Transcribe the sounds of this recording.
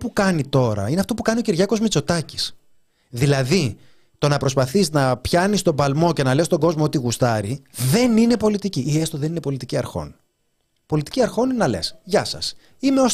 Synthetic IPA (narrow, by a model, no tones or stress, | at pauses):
pukɐnit̪o̞ɾɐ̰ineɐft̪o̞pukɐnio̞ciɾʝɐko̞zmit͡so̞t̪ɐci̥s | ðilɐði | t̪o̞nɐpɾo̞spɐθiznɐpçɐnist̪o̞bɐlmo̞ce̞nɐle̞st̪o̞ɡo̞zmoot̪iɣust̪ɐɾiðe̞nine̞po̞lit̪iciʔːest̪oðe̞nine̞po̞lit̪iciɐɾxo̞̰n | po̞lit̪i̥ciɐɾxo̞nnɐle̞̰sʝɐsɐ̰s | imeo̞s